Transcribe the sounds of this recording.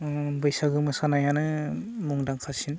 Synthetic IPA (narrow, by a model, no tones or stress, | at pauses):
bɯjsaɡɯmɯsanajanɯmuŋdaŋkʰasin